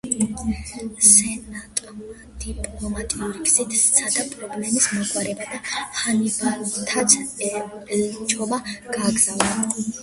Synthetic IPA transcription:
sɛnat̪ʼɔm | d̪̥ipʼlɔmat̪ʼiuɾiɡz̥it̪ʰsʰad̪apʼɾɔblɛmismɔkʼwaɾɛbad̪ahanivat̪ʰat̪sʰ | lt͡ʃʼɔbaɡ̥aɡzavna

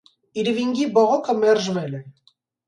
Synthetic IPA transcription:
iɾviŋɡibɔʁokʰəmɛrʒvele

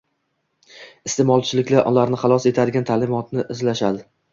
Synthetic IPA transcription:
ɪst̪emɒlˠt͡ʃʰɪlɪkʲlaʔɒlaɾnɪχɑlˠɒse̞t̪ʰad̪ɪɡʲant̪ʰalɪmɒt̪nɪʔɪzlaʃad̪ɪ

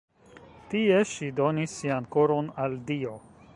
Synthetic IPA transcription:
tie̞ʃido̞nisːiankoɾo̞naldio̞

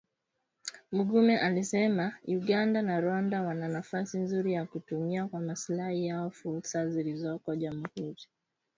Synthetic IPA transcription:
muɠumɛʔalisɛmauɠandanaɾwandawananafasinzuɾijakutumiakwamaslahijaɔfulsazilizɔkɔʄamuhuɾi

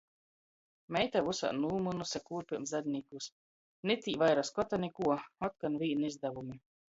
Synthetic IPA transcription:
mɛjt̪avusa̰ːnuːmunusakuːɾpʲiɾmzzad̪ʲnʲikus | nit̪ʲiːvajɾaskɔt̪anʲikuɔɔt̪̚kanviːnizd̪avumi

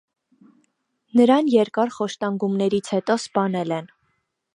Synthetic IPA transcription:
nəɾɑnjɛɾkɑɾχɔʃt̪ɑŋɡumnɛɾit͡sʰhɛt̪ɔspɑnɛlɛn

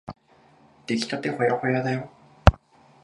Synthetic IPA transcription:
d̪̥ekʲi̥t̪at̪ehojahojad̪ajo

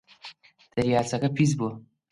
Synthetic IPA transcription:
d̪̥ɐɾijaːt͡sɐkɐpʰizbuɐ

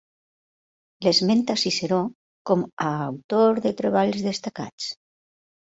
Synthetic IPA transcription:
lezment̪asiseɾo | komaːwt̪oɾðet̪ɾeβ̞aʎzðest̪aka̰t͡s

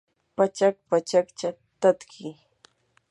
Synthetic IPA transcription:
pat͡ʃak̚pat͡ʃakt͡ʃa | t̪at̪kʰɪ

